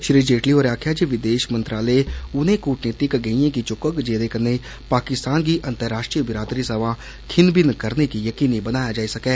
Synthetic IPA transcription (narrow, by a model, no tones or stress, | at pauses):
ʃɾiːd͡ʒeːʈliːɦoːɾaːkʰjaːd͡ʒeʋɪd̪eːʃmə̃nt̪ɾaːleːʊnẽːkuːʈneːt̪ikɡəijãːkit͡ʃʊkəkd͡ʒeːd̪eːkənːeː | paːkɪst̪aːnkiːʔə̃nt̪əɾːaːʃʈɾijəbɪɾaːd̪ɾiːsəʋaː | kʰɪnbɪnkəɾnekijəkiːnĩbənaːjaːd͡ʒaːisəkɛː